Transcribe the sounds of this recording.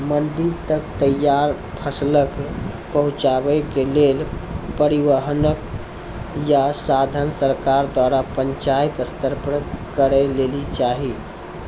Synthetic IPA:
mənɖ̪it̪əkt̪əjːaɾ | pʰəslək | pəɦũt͡ʃabɛkelelpəɾiʋəɦnək | jasad̪ʱənsəɾkaɾd̪waɾapəɲt͡ʃait̪əst̪əɾpɾəkəɾɛlelit͡ʃaɦi

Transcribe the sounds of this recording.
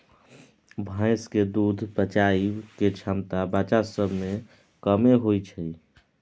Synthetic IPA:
bʱãɪsked̪ud̪ʱbət͡ʃaiwket͡ʃʰamt̪abat͡ʃasəbʱme | kəmeɦojt͡ʃʰəi

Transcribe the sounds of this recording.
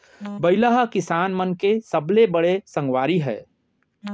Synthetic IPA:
bɐɪlaɦakɪsaːnmənkesɐblebɐɽesɐ̃ŋɡwaːɾiɦɛ̰ː

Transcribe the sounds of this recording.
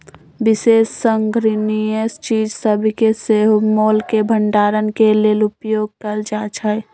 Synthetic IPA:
bɪseːsːəŋɡʱɾɪniest͡ʃiːd͡ʒsəbʱkeseɦmolkebʱəɳɖaːɾənkeleːlʊpjoːɡ̚kəɾd͡ʒat͡ʃʰə

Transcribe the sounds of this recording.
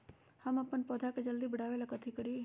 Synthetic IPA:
həməpːənpɔd̪ʱaked͡ʒəld̪ibəɽ̤aːʋelakət̪ʰikəɾi

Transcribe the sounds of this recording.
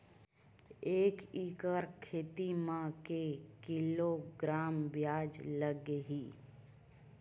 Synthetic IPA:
eːkikəɾkʰeːt̪imãkekɪloɡɾaːmbjaːd͡ʒləɡeɦiː

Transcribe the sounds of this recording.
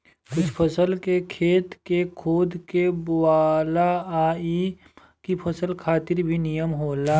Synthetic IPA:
kʊt͡ʃʰpʰɐsəlkekʰeːt̪kekʰoːd̪ʱkewaːlaaːi | kipʰɐsəlkʰaːt̪ɪɾbʱinijəmɦoːlaː

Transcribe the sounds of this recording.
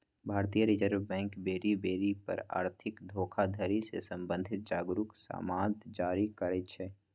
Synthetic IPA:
bʱaːɾt̪ijəɾid͡ʒəɾbɛ̃ːŋkbeːɾibeːɾipɐ̰ɾa̰ːɾt̪ʰɪkd̪ʱoːkʰad̪ʱəɾisḛsə̃mbə̃nd̪ʱɪt̪̚d͡ʒaːɡɾʊksa̰ːmaːd̪d͡ʒaːɾikəɾɛt͡ʃʰɛː

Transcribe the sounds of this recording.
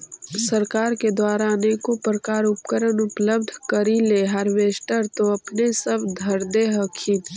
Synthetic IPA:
sɐɾkaːɾked̪waːɾanekopɾəkaːɾʊp̚kəɾənʊpləbd̪ʱkəɾileɦɐɾʋeːʃʈəɾt̪oɐpnesɐbd̪ʱəɾd̪eɦəkʰiːn

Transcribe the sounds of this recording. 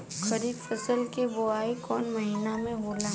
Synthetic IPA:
xɐɾiːd̪fɐsəlkeboaːikɔːnmɐɦiːnamẽboːlã

